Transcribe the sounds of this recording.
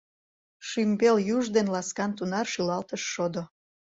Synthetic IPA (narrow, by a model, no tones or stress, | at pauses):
ʃymbeljuʒd̪enlɑskɑnt̪unɑrʃylɑlt̪əʃːod̪o